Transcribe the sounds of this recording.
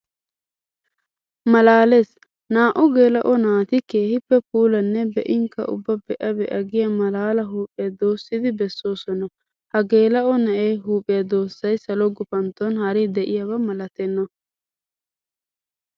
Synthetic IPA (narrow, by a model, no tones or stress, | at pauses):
mɐlaːlɛs | naːʔʊɡe̞ːlɐʔɔnaːt̪ɪke̞ːhɪpːɛpuːlɐnːɛbɛʔɪŋkɐ̰ʔʊ̰bːɐbɛʔɐbɛʔɐɡɪjɐmɐlaːlɐɦuːpʼːɪjɐd̪o̞ːsːɪd̪ɪbɛsːo̞ːsɔnɐ | hɐɡe̞ːlɐʔɔnɐʔeːɦuːpʼːɪjɐd̪o̞ːsːɐjsɐlɔɡʊpɐnt̪ɔnhɐɾɪd̪ɛʔɪjɐbɐmɐlɐt̪ɛnːɐ